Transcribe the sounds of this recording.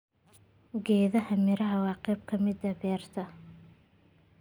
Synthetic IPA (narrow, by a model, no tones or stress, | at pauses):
ɡɛːðɐhɐmɪɾɐɦɐwɑːqɛjb̚kʰɐmɪd̪ɐbɛːrt̪ʰɐ